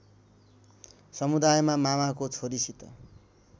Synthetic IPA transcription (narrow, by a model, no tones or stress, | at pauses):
sʌmud̪ajmamamakot͡sʰoɾisit̪ʌ̰